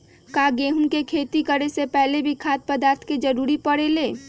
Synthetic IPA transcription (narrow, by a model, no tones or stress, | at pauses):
kaɡeɦunkekʰeːt̪ikəɾesepɛɦlebʱikʰaːt̪̚pəd̪aːɾt̪ʰked͡ʒəɾuɾipəɽeleː